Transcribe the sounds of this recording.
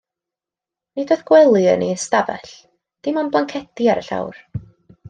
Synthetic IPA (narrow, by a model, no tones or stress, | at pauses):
nidɔðɡ̥wɛlˠiə̰ninstavɛ̰ɬ | d̥ɪmanblˠaŋkʰɛtiaɾə̰ɬa̰wr